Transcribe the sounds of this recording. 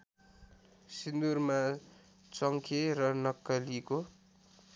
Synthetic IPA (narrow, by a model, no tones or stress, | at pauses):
sind̪urma | t͡sʌŋkʰerʌnʌkːʌliko